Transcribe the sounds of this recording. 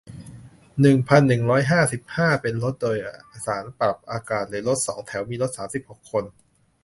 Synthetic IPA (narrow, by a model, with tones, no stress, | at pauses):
nɯ˨˩ŋpʰa˧nːɯ˨˩ŋɾɔː˦˥jɦaː˥˩si˨˩p̚haː˥˩pe˧nlo˦˥t̪̚doː˧jʔʔa˧saː˩˦npɾa˨˩p̚ʔaː˧kaː˨˩t̪̚lɯː˩˦lo˦˥t̪̚sɔː˩˦ŋt̪ʰɛ˩˦wmiː˧lo˦˥t̪̚saː˩˦msi˨˩p̚ho˨˩kʰːo˧n